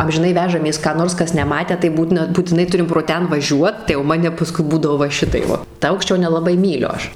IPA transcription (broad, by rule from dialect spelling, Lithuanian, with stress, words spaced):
ɐmʲʒʲɪˈnɐɪ ˈʋʲæːʒɐmʲeːs kɑː ˈnoːrs ˈkɐs nʲɛˈmɑːtʲæː tɐɪ ˈbuːtʲɪnɐ buːtʲɪˈnɐɪ ˈtʊrʲɪm proː ˈtʲɛn ʋɐˈʒʲuɔt tɐɪ jɛʊ ˈmɑːnʲɛ pɐˈskʊɪ ˈbuːdɐʋoː ʋɐ ˈʃʲɪtɐɪp ˈʋɐ tɐ ˈɐʊkʃʲt͡ʃʲoː nʲɛlˠɐˈbɐɪ ˈmʲiːlʲʊ ˈɐʃ